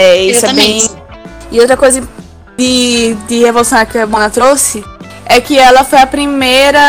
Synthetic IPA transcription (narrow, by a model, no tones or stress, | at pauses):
ɛisɛbẽj̃ | iowt̪ɾɐkojzɐ | d̪ɪd̪ɪhevolusɐ̃w̃ɐkɪɐbõnɐt̪ɾosɪ | ɛkɪɛlɐfojɐpɾimejɾɐ